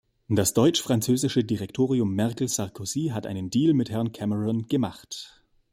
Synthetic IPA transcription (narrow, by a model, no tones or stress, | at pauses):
d̥asd̥ɔʏt͡ʃfʁ̥ant͡søːzɪʃədiʁɛktʰoːʁiʊmːɛɐʁkl̩saʁkʰoziːɦatʔa̰ɪnəndiːlmɪthɛɐnkʰɛməʁɔnɡ̥əmaχt